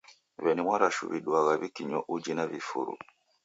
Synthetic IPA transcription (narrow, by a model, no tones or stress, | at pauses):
βɛnimwaɾaʃṵβiɗwaɣaβikiɲɔʔud͡ʒinaβifṵɾṵ